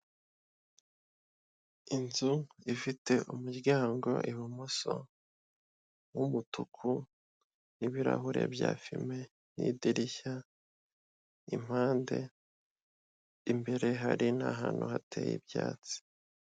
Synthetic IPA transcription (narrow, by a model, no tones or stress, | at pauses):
inzuifite̞ʔumuɾɡaːŋɡo̞ʔiβumuso | wumutʰukʰu | niβiɾa̰ɦuɾe̞̰bjaːfime̞ | nidiɾiça | im̥aːnde̞ | imbe̞ɾe̞ɦaɾinaɦaːn̥huhatʰeːjḭbjaːt͡si̥